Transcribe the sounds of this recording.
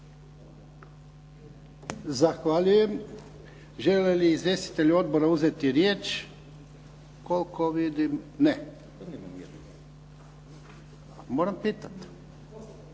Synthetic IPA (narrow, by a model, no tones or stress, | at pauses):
zaxʋalʎuje̞m | ʒeleliːzʋjest̪i̥t̪eʎuo̞d̪̚boɾauzet̪iɾjeːt͡ʃ | kolkʰoʋid̪imne | moːɾampiːt̪at̪